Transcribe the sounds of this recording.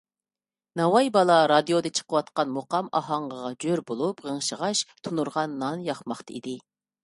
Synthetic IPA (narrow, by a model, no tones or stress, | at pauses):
nɑwɑjbɑlˠɑɾɑd̪ijod̪ɨt͡ʃʰə̥qʰəwɑt̪qɑnmoqɑmɑɦɑɴʁəʁɑd͡ʒøɾbolˠupʁəŋʃəʁɑʃt̪ʰunuɾʁɑnːɑnjɑχmɑχt̪ɨḭd̪ɪ